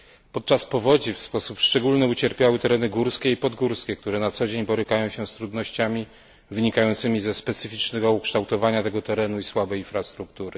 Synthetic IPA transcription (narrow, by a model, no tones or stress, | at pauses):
pɔt̪̚t͡ʂaspɔvɔd͡ʑifspɔsupʂt͡ʂɛɡulnɘut͡ɕɛɾpʲjawɘt̪ɛɾɛnɘɡuɾskʲeipɔd̪ɡuɾskʲɛk̚t̪uɾɛnat̪sɔd͡ʑeɲbɔɾɘkajɔ̃w̃ɕɛst̪ɾud̪nɔɕt͡ɕamʲi | vɘɲikajɔnt̪sɘmʲizɛspɛt̪sɘfʲit͡ʂnɛɡɔukʂt̪awt̪ɔvaɲat̪ɛɡɔt̪ɛɾɛnuiswabɛjinfɾast̪ɾuk̚t̪uɾɘ